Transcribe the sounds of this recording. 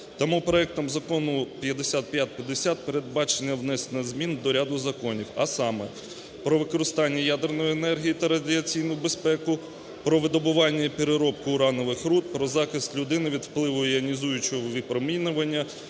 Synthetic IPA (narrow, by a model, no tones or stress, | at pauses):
t̪ɐmupɾɔɛk̚t̪ɔmzɐkɔnʊpʲjɐd̪esʲat̪̚pʲjat̪̚ʲpʲjɐd̪esʲat̪̚peɾed̪̚bɑt͡ʃenʲːɐwnɛsnɐzmʲind̪ɔɾʲad̪ʊzɐkɔnʲiwɐsɑmɛ̰ | pɾɔʋɪkɔɾɪst̪ɑnʲːɐjad̪ernɔjienɛrɦʲijit̪ɐɾɐdʲiɐt͡sʲijnʊʊbespɛkʊ | pɾɔʋɪd̪ɔbʊʋɑnʲːɐipʲeɾeɾɔp̚kʊːɾɑnɔʋɪxɾut̪̚pɾɔzɑxɪst̪lʲʊd̪ɪnɪʋʲid̪wplˠɪʋʊiɐnʲizujʊt͡ʃɔɔʋʲipɾɔminʊʋɐnʲːɐ